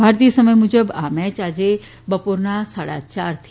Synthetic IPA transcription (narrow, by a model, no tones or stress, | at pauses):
bʱaːɾt̪iəsɐməjmʊd͡ʑəbaːmɛːt͡ɕaːd͡ʑe | bɐpoɾnãsaːɽa̰t͡ɕaːɾt̪ʰ